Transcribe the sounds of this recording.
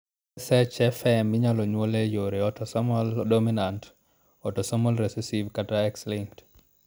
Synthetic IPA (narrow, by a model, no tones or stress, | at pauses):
sɛt͡ʃɛfɛmɪɲalɔɲwolejoɾeɔtɔsamɔldominant | ɔtɔsɔmɔlɾesesivkataɛkslɪŋkt